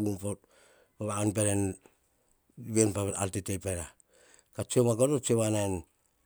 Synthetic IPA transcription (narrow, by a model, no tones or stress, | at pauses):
umpot̚ | paβaonpeɾen | βienpaa̰ltitepeɾa | kat͡ʃiomakotot͡ʃioβanajn